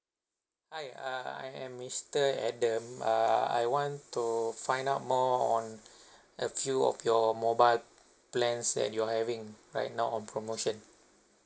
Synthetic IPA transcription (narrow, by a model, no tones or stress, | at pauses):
hajaa̰jɛ̰̃mːistəɛdə̃maa̰jwɔ̃ntufãj̃ndaʊt̚mɔɔ̃n | ʔəfjuɔ̰fjɔmobajl | plɛ̃nsdɛ̰t̚juahɛvĩŋɹa̰jt̚nawɔ̃npɹomoʃə̃n